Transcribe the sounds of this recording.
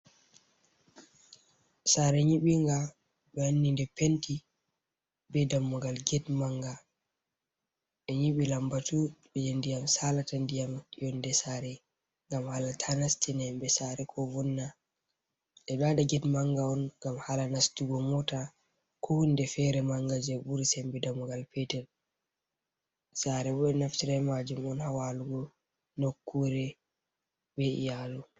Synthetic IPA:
saːɾɛɲiɓiŋɡa | ɓɛhanːindɛpenti | bɛdamːɔɡalɡɛtmaŋɡa | ʔɛɲiɓilambatuɓɛjandijamsalatandijamijɔndɛsaɾɛ | ŋɡamhalatʰanastinɛmbɛsaɾɛkʰɔvɔnːa | ʔɛɗadaɡɛdmaŋɡaɔnɡamhalanastuɡɔmɔta | kʰɔhundɛfɛɾɛmaŋɡad͡ʒɛbuɾsɛmbɛdamuɡalpɛtɛl | saːɾɛbɔɛnaftiɾɛmad͡ʒumɔnhawaluɡɔ | nokːuɾɛ | beʔḭjaːlu

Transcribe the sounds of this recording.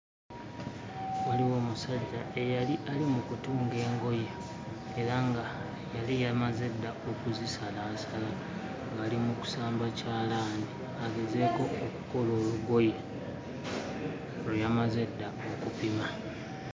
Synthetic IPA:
waliwo̞ːmusaɟae̞jaliʔalimukutuːŋɡe̞ːŋɡo̞jeː | ɾaŋɡa | jalijamaze̞dːaʔo̞kuzisalaːsala | ŋɡaːlimuku̥saːmbacaːlaːndi | aɡe̞ze̞ko̞oku̥ko̞lo̞ːluɡo̞je | lujamaze̞dːa | o̞kupima

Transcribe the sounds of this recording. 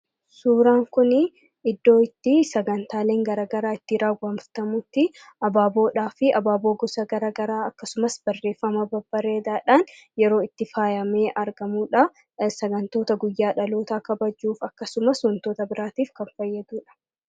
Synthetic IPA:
suːɾaːŋkʊnɪ | ɪd̪ːo̞ːɪt̪ːɪsɐɡɐnt̪aːle̞ːŋɡɐɾaːɡɐɾaːɪt̪ːɪɾaːɡɐmft̪ɐmʊt̪ːɪ | ɐbaːbo̞ːᶑaːfɪɐbaːbo̞ːɡɔsɐɡɐɾaːɡɐɾaːɐkːɐsʊmɐsb̥ɐrːe̞ːfːɐmɐbɐbːɐɾe̞ːd̪aːᶑaːnjɛɾo̞ːɪt̪ːɪfaːjɐme̞ːʔɐɾɡɐmuːᶑɐ | sɐɡɐnt̪oːt̪ɐɡʊjːaːᶑɐlo̞ːt̪aːkɐbɐd͡ʒːuːfɐkːɐsʊmɐsɔnt̪oːt̪ɐbɪɾaːt̪iːfkɐnfɐjːɛd̪uːᶑɐ̥

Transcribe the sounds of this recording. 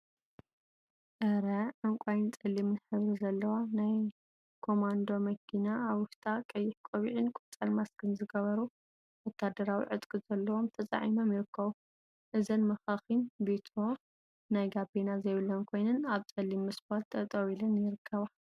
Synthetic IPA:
ʔɐɾɐʕɨŋkʷʼajɪnt͡sʼɐlːimnɨħɨβɾizɐlːɐwanaj | kʰo̞mand̪o̞mɐkʰːinaaβwʊʃt̪ʼakʼɐjːɪħkʼoβiʕinkʷʼut͡sʼalmaskʰɨnzɨɡɐβɐɾu | wɔt̪ʰːad̪ɐɾawḭʕɨt̪ʼkʼɨz̥ɐlːɐwomt̪ʰɐt͡sʼa̰ʕimomjɪɾɨkʰːɐβu | ʔɨzɐnmɐxaxinbet̪ʰɾo | najɡabenazɐjβɨlːɐnkʰo̞jnɨnaβt͡sʼɐlimːɨsbat̪ʰːɐt̪ʼɐwilɐnjɪɾɨkʰːɐβa

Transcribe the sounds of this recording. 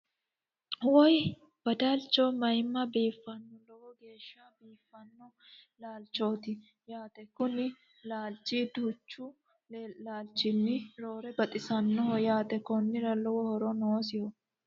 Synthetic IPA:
wɔj | b̥ɐd̪alt͡ʃːomɐjmːɐbiːfːɐnːɔlɔwɔɡe̞ːʃːabiːfːɐnːɔ | laːlt͡ʃːo̞ːt̪ɪ | jaːt̪ɛkʊnɪ | laːlt͡ʃːiːd̪uːt͡ʃːʊ | laːlt͡ʃːɪnːɪɾo̞ːɾɛbɐt̪ʼɪsɐnːɔhɔjaːt̪ɛkɔnːɪɾɐlɔwɔhɔɾɔnoːsɪhɔ

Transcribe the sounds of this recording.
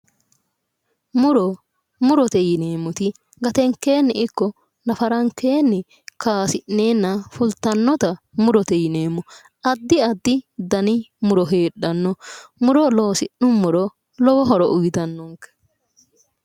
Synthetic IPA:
mʊɾɔ | mʊɾɔt̪ɛjɪneːmːʊt̪ɪ | ɡɐt̪ɛŋkːe̞ːnːɪʔɪkːɔ | nɐfɐɾɐŋkːe̞ːnːɪ | kʰaːsɪnːe̞ːnːɐfʊlt̪ːɐnːɔt̪ɐmʊɾɔt̪ɛjɪneːmːʊ | ʔɐd̪ːɪɐd̪ːɪd̪ɐnɪmʊɾɔɦeːɗɐnːɔmʊɾɔlɔwɔsɪnːʊmʊɾɔ | lɔwɔɦɔɾɔʔʊjt̪ɐnːɔŋkɛ̥

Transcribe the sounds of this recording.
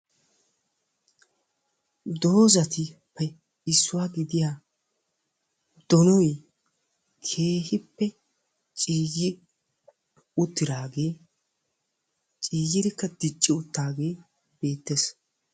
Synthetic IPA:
d̪o̞ːzɐt̪ɪpːɛ | ɪsːʊwaːɡɪd̪ɪjaː | d̪̥ɔnɔj | kʰe̞ːhɪpːɛ | t͡ʃʼiːjɪ | ʊt̪ːɪɾaːɡe̞ː | t͡ʃʼiːjɪɾɪkːɐd̪ɪt͡ʃʼːɪʊt̪ːaːɡe̞ː | b̥e̞ːt̪ːes

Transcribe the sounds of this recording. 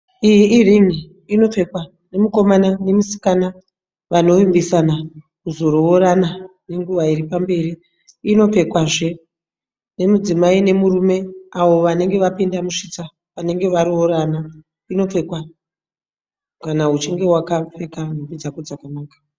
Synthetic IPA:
ijiːriŋiː | no̞p͡fe̞kwa | ne̞muko̞manane̞musi̥kana | ʋano̞ʋimbisana | kuzo̞ɾooɾana | ne̞ŋɡuʋaiɾipambe̞riː | no̞p͡fe̞kwaʐe̞ | ne̞mud͡zimaine̞muɾume̞aʋo̞ʋane̞ŋɡe̞ʋapindamuʂita | ʋane̞ŋɡe̞ʋaɾuoɾana | ino̞p͡fe̞kwa | kanaɦut͡ʃiŋɡe̞wakafekanopid͡zakod͡zakanaːkḁ

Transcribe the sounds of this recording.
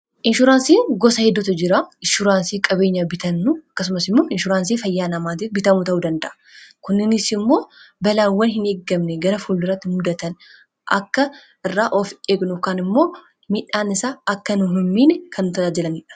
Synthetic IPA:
ʔɪnʃʊɾaːnsiːŋɡɔsɐhɛd̪ːʊt̪ɐd͡ʒɪɾaɪnʃʊɾaːnsiːkʼɐbe̞ːɲːɐbɪt̪ɐnːʊɐkːɐs̬ʊmɐsɪmːo̞ːʔɪnʃʊɾaːnsiːfɐjːaːnɐmaːt̪ɪbɪt̪ɐmuːt̪ɐʔuːd̪ɐnd̪ɐʔɐ̥ | kʊnːɪnɪsɪmːo̞ːbɐlaːwːɐnɦɪneːɡːɐmnɛɡɐɾɐfuːldɪrɐt̪ːɪmʊd̪ɐt̪ɐn | ʔɐ̰kːɐ | ʔɪrːaːʔofeːɡnʊkaːnɪmːo̞ː | mɪᶑaːnɪsaːɐkːɐnʊɦʊmːiːnkʰɐnːʊt̪ɐaːd͡ʒɪlɐnɛᶑɐ̥

